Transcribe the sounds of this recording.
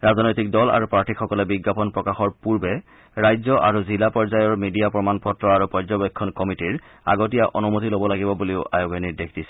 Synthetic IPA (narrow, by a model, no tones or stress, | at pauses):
ɹaznojtik̚dɔla̰ɹupɹatʰikxɔkɔlɛbiɡːapɔnpɹɔkaxɔɹpuɹbɛ | ɹajzɔʔaɹuzilapɔɹzajɔɹmidijapɹɔmanpɔtɹɔaɹupɔɹzɔbekʰːɔnkɔmitiɹ | a̰ɡot̬ijaʔɔnumotilobɔlaɡibɔbuleʊʔa̰joɡenidekʰd̥isɛ̥